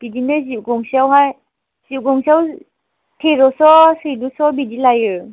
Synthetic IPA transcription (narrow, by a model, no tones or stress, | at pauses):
b̥idinɯziɡɔŋsiawɦaj | z̥iɡɔŋsiaw | tʰeɾɔsɔsedusɔbidilajɯ